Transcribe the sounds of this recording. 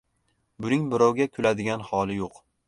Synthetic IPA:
bʊnɪŋbɪɾɒwɡʲakʲʰʊlad̪ɪɡʲanhɒlˠɪjoq

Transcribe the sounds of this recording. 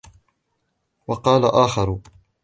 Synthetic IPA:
wɑqɑːla̰ʔaːxɑɾˤ

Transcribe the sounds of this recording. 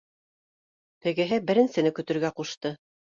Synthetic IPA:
t̪ɘ̆ɡɘ̆ɦɘbɘ̆ɾɘ̆nsɘ̆nɘkɵ̆t̪ɵ̆ɾɡæquʃt̪ɤ

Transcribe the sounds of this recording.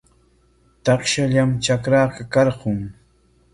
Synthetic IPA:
t̪ɑχʃaʎamt͡ʃakɾaːqɑkɑɾɢʊŋ

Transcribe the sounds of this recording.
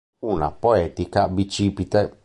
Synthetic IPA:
una̰poɛt̪ikabit͡ʃipit̪e

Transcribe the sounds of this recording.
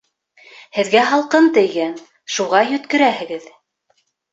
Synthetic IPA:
hɘ̆ðɡæɦɑlˠqɤnt̪ɘ̆jɡæn | ʃuʁɑjɵ̆t̪kɵ̆ɾæhɘ̆ɡɘð

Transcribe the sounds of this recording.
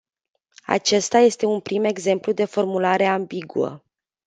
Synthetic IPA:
a̰t͡ʃe̞st̪aje̞st̪e̞unpɾime̞ɡze̞mplud̪e̞fo̞rmulaɾe̞ambiɡuə̰

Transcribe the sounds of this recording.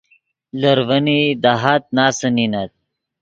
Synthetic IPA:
lɐɾvənid̪aɦat̪̚naːsəninat̪̚

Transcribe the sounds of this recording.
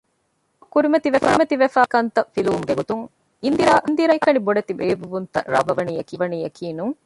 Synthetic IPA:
kːuɾimɐt̪iʋeɐmɐt̪iʋefaːkɐnt̪ɐfiluʋumɡeɡot̪uŋ | ind̪iɾaːʔind̪iɾɐjkɐniboɖɐt̪iʋeːbuʋunt̪ɐ̰ɾɐ̰bɐʋɐniːɐkiʋɐniːjɐkʰiːnuŋ

